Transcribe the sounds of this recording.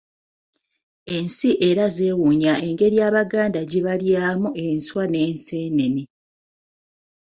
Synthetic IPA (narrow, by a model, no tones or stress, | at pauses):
e̞nsiʔe̞ɾaze̞ːwuɲae̞ŋɡe̞ɾjaːβaɡaːndaɟiβaljaːmuʔe̞nswane̞ːnseːne̞ni